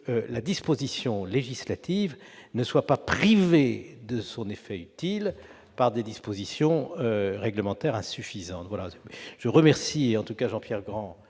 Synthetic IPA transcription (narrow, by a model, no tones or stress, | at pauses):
ølad̪ispozisjɔ̃leʒislat̪iv | nəswapapχived̪əsɔ̃nefɛyt̪il | paʁd̪ed̪ispozisjɔ̃øʁɛɡləmɑ̃t̪ɛʁɛ̃syfizɑ̃t̪vwalaʒ̥əʁəmɛʁsiɑ̃t̪ukaʒɑ̃pjɛʁɡʁɑ̃